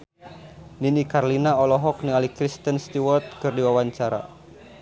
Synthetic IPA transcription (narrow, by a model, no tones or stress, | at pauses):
ninikarlinaɔlɔɦɔk̚niŋalikɾist̪ənst̪iwɔrt̪̚kɨrdiwawaɲt͡ʃaɾa̰